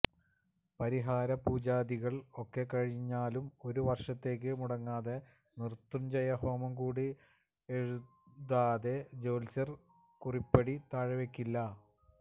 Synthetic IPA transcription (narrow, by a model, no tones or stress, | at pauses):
pɐɾiɦaːɾɐpuːd͡ʑaːðiɣɐɭo̞kːe̞kɐɻiɲːaːlumo̞ɾuʋɐrʂɐt̪ːe̞ːk̬ːɨmuɽɐŋːaːðe̞ | nirt̪rumd͡ʑejɐho̞ːmɐmkuːɽi | eɻu | ðaːðe̞d͡ʑoːlt͡ɕɐr | kuripːeɽit̪aːɻɐʋekʲːilːɐ